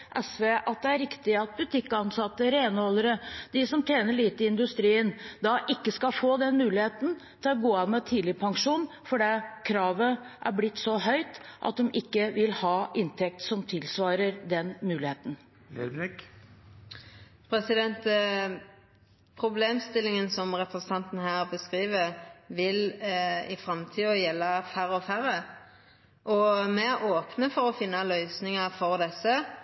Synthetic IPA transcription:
ʔɛsʋeːʔɑt̪̚d̪ɛæɾɪkt̪ɪɑt̪̚bʉt̪ʰɪkːɑnsɑt̪ːəɾeːnɔləɾəd̪ɪsɔmt̪ʰeːnəɭiːt̪əɪnd̪ʉst̪ɾiːənd̪ɑʔɪkːəskɑfoːd̪ɛnmʉːlɪheːt̪n̩ | t̪ʰɪlɔɡoːɑːnmɛt̪ʰiːd̪lɪpʰɑŋʂuːn | fɔɖɛkʰɾɑːʋəʔæ̰ɾblɪt̪ːsɔɦœʏt̪ʔɑ̰t̪̚d̪ɔmʔɪkːəʋɪlhɑːʔɪnt̪ʰɛk̚t̪sɔmt̪ʰɪlsʋɑːɾəɾd̪ɛnmʉːlɪheːt̪n̩ | ɛ̰ɛk | pʰɾɛsɪd̪ɛnt̪ | pʰʁʊbleːmst̪ɪlːɪŋənsɔmʁɛpɾəsn̩t̪ʰɑnt̪n̩hæːʁbəskɾiːʋəɾʋɪlɪfɾɑmt̪ʰiːɔjɛlːɑfæɾəɔfæɾə | ʔɔmɛæoːpnəfɔɾɔfɪnːɑlœʏsnɪŋɑfɔʁd̪ɛsə

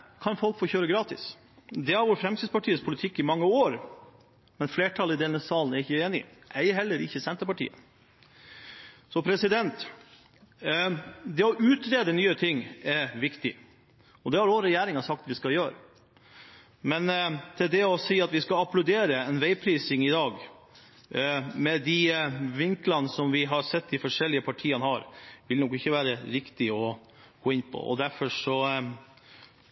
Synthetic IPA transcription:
kʰɑnfɔlkfoːçøːɾəɡɾɑːt̪ɪ̰s | d̪ɛæɾʋoːɾfɾɛmsʰɪspɑʈʰiːəspʰʊlɪt̪ʰɪkːɪmɑŋːəoːɾ | mɛnfleːʈʰɑlɪd̪ɛnːəsɑːlnæɾɪçːəeːnɪ̰ʔæɪɦɛlːəɾɪçːəsɛnt̪əpɑʈḭːə̰ | sɔpʰɾɛsɪd̪ɛnt̪ | d̪ɛɔʔʉːt̪ɾeːd̪ənyːət̪ʰɪŋːɛɾʋɪkt̪ɪ | ɔd̪ɛhɑɾʋoːɾəɛjæːɾɪŋɑsɑk̚t̪ʋɪskɑljøːɾə | mɛnt̪ʰɪld̪ɛɔsiːɑt̪ʋɪskɑɑplɑʉd̪eːɾəɛnʋæɪpʰɾiːsɪŋɪd̪ɑːɡ | mɛd̪iʋɪŋklɑnəsɔmʋɪɦɑɾsɛt̪ːd̪ɪfɔʂɛlɪəpʰɑʈʰiːənəhɑɾʋɪlnɔkːɪçːəʋæːɾəɾɪkt̪ɪɔ | ɡ̥oːɪnːpʰɔ̰ɔ̰d̪æɾfɔʂɔ

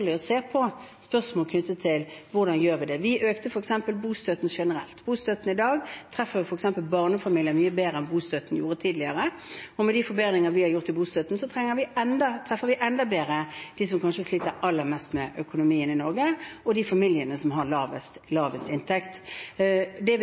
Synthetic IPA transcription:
lɪɔseːpʰɔspœʁʂmɔːlkʰnʏt̪ːət̪ʰɪlʋʊʁd̪ɑnjøːɾʋɪd̪ɛʋɪʔøːkt̪əfɔɾɛksɛmpəlbuːst̪œt̪n̩ʂɛnəɾɛ̰lt̪buːst̪œt̪n̩ɪd̪ɑːɡt̪ʰɾɛfːəʋɪfɔɾɛksɛmpəlbɑʁnəfɑmiljənmyːəbeːɾəɛnbuːst̪œt̪n̩juːɾət̪ʰiːd̪lɪəɾə | ɔmɛd̪ifɔɾbeːd̪ʁɪŋəʋɪhɑɾjʊʁt̪ʰːɪbuːst̪œt̪n̩sɔt̪ʰʁɛŋːəɾʋɪɛnd̪ɑt̪ʰʁɛfːəʋɪʔɛnd̪ɑbeːɾəd̪̥iːsɔmkʰɑnʂəsliːt̪əɾʔɑlːəɾmɛst̪mɛʔœkʊnʊmiːənɪnɔʁɡəɔd̪ifɑmɪljənəsɔmɦɑʁlɑːʋəst̪lɑːʋəst̪ɪnt̪ʰɛkt̪ | d̪ɛ

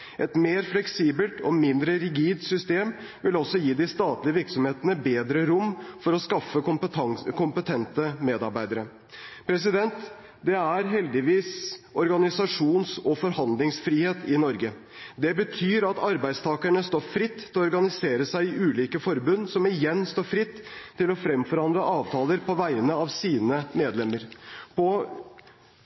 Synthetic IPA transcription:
ʔɛt̪meːɾflɛksiːbəlt̪ʰɔmɪnd̪ɾəɾɪɡiːd̪sʏst̪eːm | ʋɪlɔsɔjiːd̪ɪst̪ɑːt̪lɪəʋɪɾksɔmheːt̪ənəbeːd̪ɾəɾʊmːfɔɾɔskɑfːəʊpəɑŋkʰʊmpət̪ʰɛnt̪əmeːd̪ɑɾbæɪd̪əɾə | pʰɾɛs̬ɪd̪ɛnt̪ | d̪ɛæɾɦɛld̪ɪʋiːsɔɾɡɑnɪsɑʂuːnsɔfɔɾhɑnd̪lɪŋsfɾiːheːt̪ɪnɔɾɡə | d̪ɛbət̪ʰyːɾɑt̪ɑɾbæɪd̪st̪ʰɑːkəɳəst̪oːfɾɪt̪ːʰɪlɔɔɾɡɑnɪseːɾəsæɪɪʉːliːkəfɔɾbʉnːsɔmɪjɛnːst̪oːɾfɾɪt̪ʰːɪlɔfɾɛmfɔɾɑnd̪lɾəʔɑːʋt̪ʰɑːləɾpʰɔʋæɪənəɑʋsiːnəmeːd̪lɛmːəɾpʰɔ

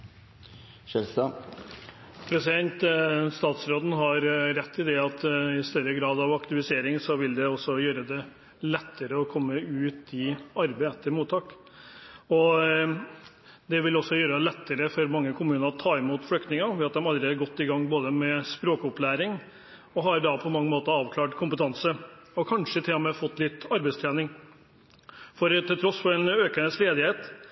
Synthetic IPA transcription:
ʃɛɾst̪ɑ | pʰɾɛsɪd̪ɛnt̪st̪ɑːt̪sɾoːd̪n̩ɦɑɾɾɛt̪ʰːɪd̪ɛɑt̪ɪst̪œɾːəɡɾɑːd̪ɑʋɑkt̪ɪʋɪseːɾɪŋsɔʋɪld̪ɛɔsːɔjøːɾəd̪ɛ | lɛt̪ʰːəɾəɔkʰɔmːəʉːt̪ɪɑɾbɛɪɛt̪ʰːəɾmuːt̪ʰɑːk | ɔ | d̪ɛʋɪlɔsːɔjøːɾəd̪ɛlɛt̪ːəɾəfɔɾmɑŋːəkʰʊmʉːnəɾɔt̪ʰɑːɪmuːt̪flʏkt̪nɪŋɑʋɪɑt̪̚d̪ɛmɑld̪ɾɪɑɾɡɔt̪ːɪɡɑŋːboːd̪əmɛspɾoːkʊplæːɾɪŋ | ɔɦɑɾɖɑpʰɔmɑŋːəmoːt̪əɑːʋkʰlɑːʈkʰʊmpət̪ʰɑnsəɔkʰɑnʂət̪ʰɪlɔmɛfɔt̪ːlɪt̪ːɑɾbɛɪst̪ʰɾæːnɪŋ | fɔɾt̪ʰɪlt̪ɾɔsfɔɾɛnøːkənəsleːd̪ɪheːt̪

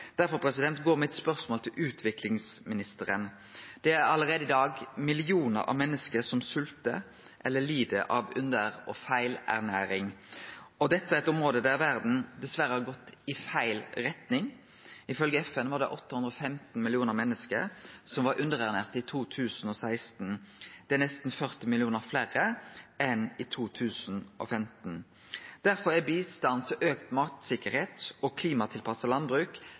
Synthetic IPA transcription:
d̪̥æɾfɔɾpʰɾɛsɪd̪ɛnt̪ɡoːɾmɛɛt̪spœʁsmoːlt̪ʰɪlʔʉːt̪ʰʋɪklɪŋsmɪnɪst̪əɾən | d̪̥ɛæɾɑlːəɾeːd̪əɪd̪ɑːɡmɪlɪuːnə̰ɾɑ̰ʋmɛnːəskəsɔmsʉlt̪ə | ʔɛlːəliːd̪əʔɑʋʉnd̪əɾɔfæɪlæ̰ʁnæːɾɪŋ | ɔd̪ɛt̪ːəæɾɛt̪ʊmɾoːd̪əd̪ææɾʋæɾd̪n̩d̪ɛsʋæɾəhɑɾɡɔt̪ːɪfæɪlɾɛt̪nɪŋ | ɪfœlɡəɛfɛnʋɑʁd̪ɛʔɔt̪ːəhʉnd̪ɾɔfɛmt̪n̩mɪlɪuːnəʁmɛnːəskə̰ɾsɔmʋɑɾʔʉnd̪əʁæʁneːʁt̪ɪt̪ʰuːt̪ʰʉːsn̩ɔsæɪst̪n̩d̪̥ɛænɛst̪n̩fœʁt̪ɪmɪlɪuːnəʁflæʁəɛnɪt̪ʰuːt̪ʰʉːsn̩ʔɔ̰fɛmt̪n̩ | d̪̥æʁfɔɾæbiːst̪ɑnt̪ʰɪlʔøːkt̪mɑt̪sɪkəɾheːt̪ɔkʰliːmɑt̪ʰɪlpʰɑsəlɑnbɾʉːk

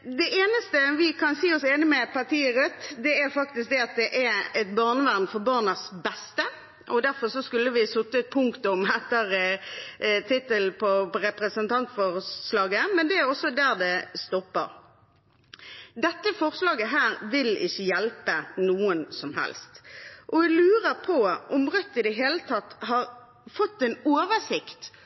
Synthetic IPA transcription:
d̪ɛʔeːnəst̪əʋɪkʰɑnsiːɔseːnəmɛpʰɑʁt̪ʰiːəɾʉt̪ːd̪ɛæɾfɑk̚t̪ɪsk̚d̪ɛɑt̪̚d̪ɛʔæɛt̪bɑʁnəʋæʁmfɔɾbɑːʁnəsbɛst̪ə | ʔɔd̪æɾfɔʁsɔskʉlːəʋɪsʊt̪ːət̪̚pʰʊŋkt̪ʊmɛt̪ːəɾ | t̪ʰɪt̪ːəlpʰɔɔɾɛpɾəsənt̪ʰɑnt̪fɔʁslɑːɡəmɛnd̪ɛæɾɔsːɔd̪æːʁd̪ɛst̪ɔpːə̰ɾ | d̪ɛt̪ːəfɔʁslɑːɡəɦæːɾʋɪlɪ̰çːəjɛlpənuːənsɔmɦɛ̰lst̪ʔɔɛlʉːɾəpʰɔʔɔmʁœt̪ːɪd̪ɛɦeːlət̪ʰɑt̪ːhɑɾ | fɔt̪ːɛnoːʋəsɪkt̪

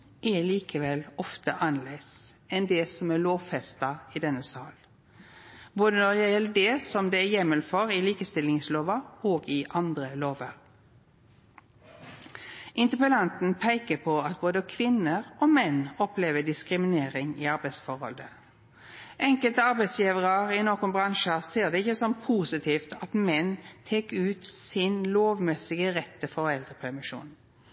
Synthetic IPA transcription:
ʔɛliːkəʋɛlɔft̪əʔɑnleɪsɛnd̪ɛsɔmæɭoːʋfɛst̪ɑɪd̪ɛnːəsɑːl | boːd̪ənɔɾæjɛləd̪ɛːsɔmd̪ɛːæːjɛməlfɔɾɪliːkəst̪ɪlɪŋsloːʋɑoːɡɪʔɑnd̪ɾəloːʋəɾ | ʔɪnt̪ɪpəlɑnt̪n̩pʰæɪkəpʰɔɑt̪boːd̪əkʰʋɪnəʁoːmɛnːɔpleːʋəd̪ɪskʁɪmɪneːʁɪŋɪ̰ɑʁbæɪsfɔʁhɔ̰ld̪ə | ʔɛŋkəlt̪əɑʁbæɪsjiːʋəʁəʁɪnoːkʊnbʁɑŋʃəseːʁd̪ɛɪçəsɔmpʰuːsɪt̪ʰiːft̪ɑt̪mɛnt̪ʰeːkʉːt̪sɪnloːʋmɛsɪɡəʁɛt̪ːəfɔʁɛld̪ʁəpʰæʁmɪʃṵːn

